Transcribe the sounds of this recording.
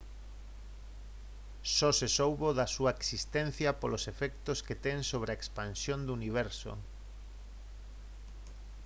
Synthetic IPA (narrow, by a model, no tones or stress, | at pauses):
sɔsesowβoðɐsuɐeksist̪ɛn̟θjɐpolosefɛk̚t̪osket̪ɛŋsoβ̞ɾeaekspansjond̪uuniβ̞ɛɾso̰